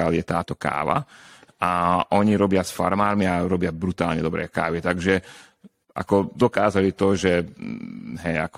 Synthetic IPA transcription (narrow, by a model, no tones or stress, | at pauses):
aljɛt̪a̰ːt̪ɔka̰ːʋa̰ʔaʔɔɲiɾɔbɪasfa̰ɾmaːɾmiaɾɔbɪabɾut̪aːlɲɛd̪ɔbɾɛ̰ːka̰ːʋit̪aɡʒɛ | ʔa̰kɔd̪ɔkaːzalit̪ɔʒɛ | ɦɛjak